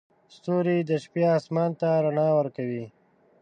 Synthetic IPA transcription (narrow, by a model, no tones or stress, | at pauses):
st̪oɾid̪əʃpjeɑsmɑnt̪aɾanɑwəɾkawi